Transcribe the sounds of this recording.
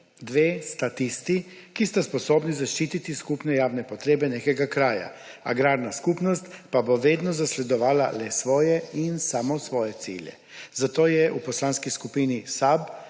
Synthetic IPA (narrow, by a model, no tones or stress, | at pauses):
d̪ʋeːst̪at̪ist̪i | kist̪aspɔsoːbnizaʃt͡ʃiːt̪it̪iskupnɛjaːwnɛpɔt̪ɾeːbɛneːkɛɡakɾaːja̰a̰ɡɾaːɾnaskupnɔst̪paboʋeːd̪nɔzaslɛd̪ɔʋaːla̰lɛsʋɔːjɛinsaːmɔsʋɔːjɛt̪sḭːljɛ̰ | zat̪oːjɛʔupɔslaːnskiskupiːnisab